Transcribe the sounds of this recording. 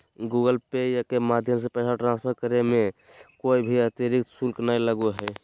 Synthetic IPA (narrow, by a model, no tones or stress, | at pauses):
ɡuɡəlpejakemad̪ʱjəms̬epɛsaʈɾãnspʰəɾkəɾemẽkoibʱiət̪əɾik̚t̪sulknailəɡoɦɛ